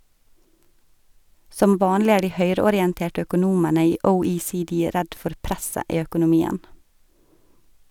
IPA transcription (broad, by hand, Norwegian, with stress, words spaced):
ˈsɔm ˈʋɑːnlɪ ˈæːɾ ˈdiː ˈhœʏɾəɔɾɪɛnˌteːʈə œkʊˈnuːmənə ˈiː əʊiːsiːˈdiː ˈɾɛd ˈfɔɾ ˈpɾɛsə ˈiː œkʊnʊˈmiːən